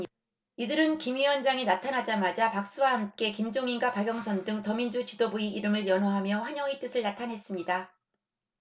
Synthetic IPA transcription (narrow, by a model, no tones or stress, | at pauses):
idɯɾɯnkimiʌnd͡ʑaŋinatʰanɦad͡ʑamad͡ʑapak̚s͈uwahamk͈e̞kimd͡ʑoŋinɡwapaɡjʌŋsʰʌndɯŋtʌmind͡ʑut͡ɕidobuiiɾɯmɯɾjʌnɦoɦamjʌɸwaɲʌŋit͈ɯsʰɯɭnatʰanɦe̞s͈ɯmɲida